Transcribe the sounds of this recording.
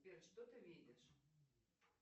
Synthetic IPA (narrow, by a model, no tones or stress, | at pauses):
pʲɛrʂt̪ɔt̪ɨvʲed͡zʲɛʂ